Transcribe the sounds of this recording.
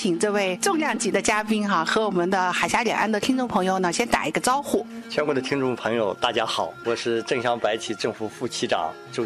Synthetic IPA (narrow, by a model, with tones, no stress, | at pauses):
i˨˩ŋʈ͡ʂɤ˥˧we˥˩ɪʈ͡ʂʊ˥˧ŋljɑ˥˩ŋt͡ɕi˧˥d̪ə˧t͡ɕja˥pi˥nxa˥˧˩xɤ˧˥wɔ˨˩mə˧˦nd̪ə˧xa˨˩ɪɕja˥ljɛ̰˨˩ŋʔa˥nd̪ə˨t̪ʰi˥ŋʈ͡ʂʊ˥˩ŋpʰɤ˧˥ŋjo˧ʊnə˩ɕjɛ˥nt̪a̰˨˩i˧˥ɡə˧t͡sɑ˥ʊxu˥˩t͡ɕʰɥɛ˥nkwɔ˧˥d̪ə˧t̪ʰi˥ŋʈ͡ʂʊ˥˩ŋpʰɤ˧˥ŋjo˨˧ʊt̪a˥˩t͡ɕja˥xɑ˨˩˦ʊwɔ˨˩ʂɻ̩˥˧ʈ͡ʂɤ˥˩ŋɕjɑ˥˩ŋpa˧˥ɪt͡ɕʰi˨˩ʈ͡ʂɤ˥˩ŋfu˧˥fu˥˩t͡ɕʰi˥ʈ͡ʂɑ̰˨˩˦ŋ | ʈ͡ʂo˥˩